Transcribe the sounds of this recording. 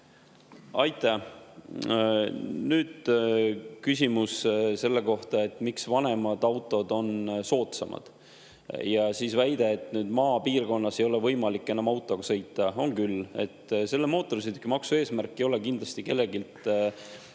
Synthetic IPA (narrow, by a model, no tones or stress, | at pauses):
ɑjt̪ˑːæ | nyːd̪̥ | kys̬ʲimusse̞lːe̞ko̞ht̪ɑe̞t̪ːˑmiksvɑne̞mɑd̪̥ɑwt̪ːˑo̞d̪̥o̞nso̞ːt̪sɑmʔɑ̰d̪̥ | jɑsiːsvæjd̪̥e̞ːt̪ːnyːd̪mɑːpiːrko̞nːɑse̞jo̞le̞vɤjmɑlikːˑe̞nːɑmɑwt̪ˑːo̞ɡ̥ɑsɤ̞jt̪ːˑɑo̞ŋkyle̞̰t̪ːse̞lːemo̞ːt̪ːˑo̞rsid̪ykimɑksue̞ːsmærkːejo̞le̞kind̪lɑst̪ike̞lːe̞ɡilt̪